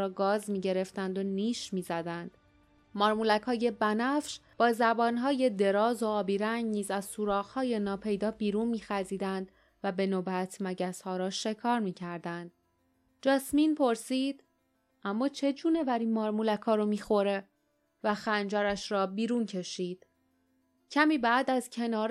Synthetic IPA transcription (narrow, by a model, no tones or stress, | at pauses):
ɾɒːɡɒːzmiːɟe̞ɾe̞ft̪ænd̪o̞niːʃmiːzæd̪ænd̪̥ | mɒːɾmulækʰhɒːje̞bænæfʃb̥ɒːzæbɒːnɦɒːje̞d̪e̞ɾɒːzo̞ɒːbiːɾæŋɟniːzæzsuːɾɒːɣhɒːje̞nɒːpʰe̞jd̪ɒːbiːɾuːnmiːxæziːd̪ænd̪ | væbe̞noːbæt̪ʰmæɟæshɒːɾɒːʃe̞kʰɒːɾmiːcʰæɾd̪ænd̪̚ | d͡ʒɒːsmiːnpʰo̞ɾsiːd̪̥ | ʔæmːɒːt͡ʃʰe̞d͡ʒuːne̞væɾiːmɒːɾmulækʰɒːɾomiːxo̞ɾe̞ | væxænd͡ʒɒːɾæʃɾɒːbiːɾuːncʰe̞ʃiːd̪̥ | cʰæmiːbæd̪æzcʰe̞nɒːɾ